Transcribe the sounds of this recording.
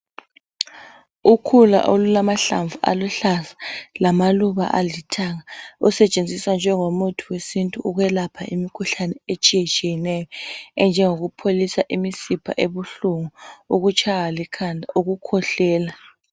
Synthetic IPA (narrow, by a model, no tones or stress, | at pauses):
ukʰula̰ʔolulamaɬa̰ɱvuʔa̰luɬasḁlamaluβa̰ʔalitʰaɣausɛt͡ʃʼend͡zʱiswand͡ʒʱɛŋomutʰuwesintʼuuɣwɛlapʰaʔimikʰuɬanɛet͡ʃʼijɛt͡ʃʼijɛnɛjɔɛnd͡ʒʱɛŋoɣupʰolisaʔimisipʰa̰ʔeβuɬuŋuuɣut͡ʃʰʼaɣalikʰanʱauɣukʰɔɬɛːla